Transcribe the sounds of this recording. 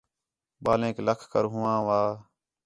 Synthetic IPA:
baːlẽːkləkʰkəɾɦʊ̃ːãːʋaː

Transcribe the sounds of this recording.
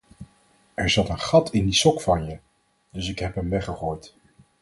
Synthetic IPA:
ʔɛɹzɑtənχɑtʰɪndisɔkfɑnjə | d̥ɵsɪkɦɛpɦəmʋɛχəχoːjt

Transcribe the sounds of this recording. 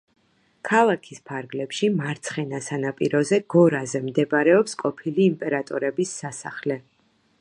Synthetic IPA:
kʰalˠakʰispʰaɾɡlɛpʃimaɾt̪sʰχɛnasanapʼḭɾɔzɛɡ̥ɔɾazɛmd̪ɛbaɾɛɔpskʼɔpʰiliːmpʼɛɾat̪ʼɔɾɛbisːasaχlɛ

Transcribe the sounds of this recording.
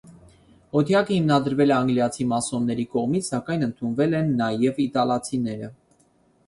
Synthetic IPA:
ɔt̪ʰjɑkəhimnɑd̪əɾvɛlɛɑŋɡljɑt͡sʰimɑsɔnːɛɾikɔʁmit͡sʰsɑkɑjnənt̪ʰunvɛlɛnːɑjɛvit̪ɑlɑt͡sʰinɛɾə

